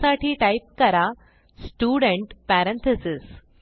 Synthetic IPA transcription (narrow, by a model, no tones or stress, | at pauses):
saʈiːʈaip̚kəɾa | sʈuːɽəɳʈpæɾənt̪ʰesis